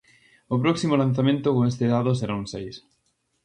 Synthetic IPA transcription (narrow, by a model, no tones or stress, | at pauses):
opɾɔksimolan̟θamẽnt̪ʊkoŋest̪eðaðos̬eɾaunsejs